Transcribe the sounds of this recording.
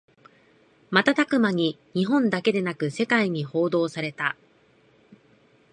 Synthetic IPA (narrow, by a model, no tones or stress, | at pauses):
mat̪at̪akɯ̟maɲ̟i | ɲ̟iɦõ̞nd̪ake̞d̪e̞nakɯ̟se̞kaiɲ̟iho̞ːd̪o̞ːsaɾe̞t̪a